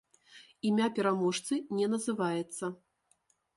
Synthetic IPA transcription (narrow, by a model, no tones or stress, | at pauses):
imʲapʲɛɾamɔʂt̪sɨnʲɛnɐzɨvajɛt̪sːɐ